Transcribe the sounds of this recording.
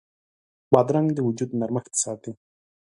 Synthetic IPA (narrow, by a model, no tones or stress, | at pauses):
bɑd̪ɾaŋɡd̪əwud͡ʒud̪naɾmaxt̪sɑd̪̚i